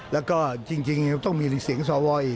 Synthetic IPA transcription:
lɛː˦˥wkɔː˥˩t͡ɕi˧ŋt͡ɕi˧ŋ˧t̪ɔ˥˩ŋmi˧li˧˩k̚si˨˦əŋsɔː˨˦wɔː˧j

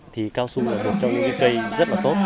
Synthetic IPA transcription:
t̪ʰi˨˩kaː˧wsu˧laː˨˩vɨ˨˩t̚t͡ɕɔ˧wŋ͡mɲɨ̰˧˦ŋkɨ̰˧˦kə˧jzə˦˥t̚laː˨˩t̪o˦˥t̚

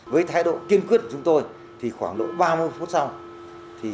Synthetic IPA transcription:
vəː˨˦jt̪ʰaː˨˧˦jɗo̰˧˨ki˧ənkwi˦˥t̚kt͡ɕʊ˨˦ŋ͡mt̪o˧j | t̪ʰi˨˩xwaː˧˩ŋɗo̰˧˨ɓaː˧mɨ˧əjfu˦˥t̚sa˧w | t̪ʰi˨˩

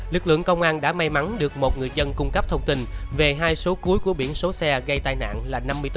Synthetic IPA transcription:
lɨ˨˩k̚lɨ̰˧˨əŋkə˧wŋ͡mʔaː˧nɗa̰ː˧˥ma˧jma˨˦nɗɨ˨˩ək̚mo˨˩t̚ŋɨ˨˩əjzə˧nkʊ˧ŋ͡mkə˦˥p̚t̪ʰə˧wŋ͡mt̪i˧nve˨˩ɦaː˧jso˨˦ku˨˦əjku˧˩əɓḭ˧˩ənso˨˦sɛ˧ɣa˧jt̪aː˧jna̰ː˧˨nlaː˨˩na˧mːɨ˧əjt̪

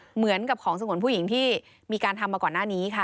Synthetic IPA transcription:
mɯ˩˦ənka˨˩p̚kʰɔː˩˦ŋsa˧ŋu˩˦npʰuː˥˩ji˩˦ŋt̪ʰiː˥˩ | miː˧kaː˧nt̪ʰa˧mːaː˧kɔː˨˩nːaː˥˩niː˦˥kʰa˥˩

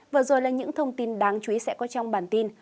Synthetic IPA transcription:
vɨː˨˩zo˨˩jlaː˨˩ɲɨ̰˧˥ŋt̪ʰə˧wŋ͡mt̪i˧nɗaː˨˦ŋt͡ɕwi˨˦sɛ̰˧˥kɔ˨˦t͡ɕɔ˧wŋ͡mɓaː˧˩nt̪i˧n

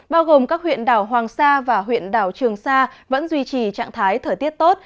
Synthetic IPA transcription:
ɓaː˧wɣo˨˩mkaː˦˥k̚w̰ənɗaː˧˩wɦwaː˨˩ŋsaː˧vaː˨˩ɦwḭ˧˨ənɗaː˧˩wt͡ɕɨ˨˩əŋsaː˧və̰˧˥nzwi˧t͡ɕi˨˩t͡ɕa̰ː˧˨ŋt̪ʰaː˨˦jt̪ʰəː˧˩jt̪i˦˥ət̚t̪o˦˥t̚

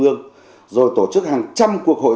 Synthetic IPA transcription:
ɨ˧əŋ | zo˨˩jt̪o˧˩t͡ɕɨ˦˥k̚haː˨˩ŋt͡ɕa˧mku˨˩ək̚ho̰˧˨

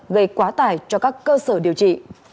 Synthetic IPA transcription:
ɣə˧˩jkwaː˨˦t̪aː˧˩jt͡ɕɔ˧kaː˦˥kːəː˧səː˧˩ɗi˨˩əwt͡ɕḭ˧˨

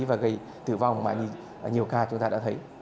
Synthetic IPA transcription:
vaː˨˩ɣə˧j | t̪ɨ̰˧˨va˨˧˩wŋ͡mma̰ː˨˩ɲi˧˨˩ | ɲi˨˩əwkaː˧t͡ɕʊ˨˦ŋ͡mt̪aː˧ɗa̰ː˧˥t̪ʰə˨˦j

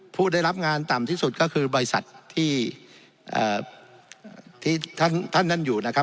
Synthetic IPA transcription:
pʰuː˥˩da˥˩jɾa˦˥p̚ŋaː˧nt̪a˨˩mt̪ʰiː˥˩su˨˩t̪̚kɔː˥˩kʰɯː˧bɔː˧ɾi˧sa̰˨˩t̪ʰːiː˥˩ | ʔəː˨˩ | t̪ʰiː˥˩t̪ʰa˥˩nt̪ʰa˥˩nːa˥˩njuː˨˩na˦˥k̚ʰ

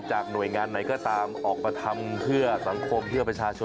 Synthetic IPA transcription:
t͡ɕaː˨˩k̚nu˨˩əjŋaː˧nːa˨˩˦jkɔː˥˩t̪aː˧mʔɔː˨˩k̚pa˧t̪ʰa˧mpʰɯ˥˩ɐsa˩˦ŋkʰo˧mpʰɯ˥˩əpɾa˧t͡ɕʰaː˧t͡ɕʰo˧

